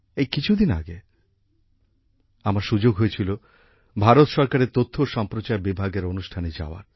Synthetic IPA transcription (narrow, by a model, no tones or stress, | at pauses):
ejkit͡ɕʰud̪ina̰ɡe | amaɾʃud͡ʑoɡɦojet͡ɕʰilo | bʱaɾot̪ʃɔɾkaɾeɾt̪ot̪ʰːoʃɔmpɾot͡ɕaebibʱaɡeɾonuʃʈʰaned͡ʑa̰oa̰ɾ